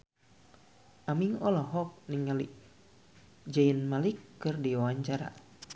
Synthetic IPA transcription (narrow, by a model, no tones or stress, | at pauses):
ʔamiŋɔlɔɦɔk̚niŋaliʔ | d͡ʒainmalikːɨrdiawaɲt͡ʃaɾa̰